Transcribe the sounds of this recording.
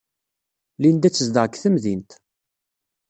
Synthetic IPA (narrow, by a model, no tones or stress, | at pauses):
lind̪æt͡sːəzd̪əʁkːθəmðint̪